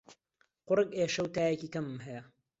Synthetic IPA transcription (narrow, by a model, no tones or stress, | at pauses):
qʊɾɨkeːʃɐwt̪aːjɐkiːkɐmmɦɐjɐ